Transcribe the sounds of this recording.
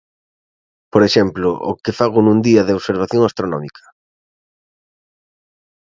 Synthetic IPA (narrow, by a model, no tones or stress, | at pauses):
poɾeʃɛmplʊʔʊ̰kɪfaɣ̞ʊnũnd̪iɐðɪoβseɾβ̞aθjoŋast̪ɾonɔmikʰɐ̥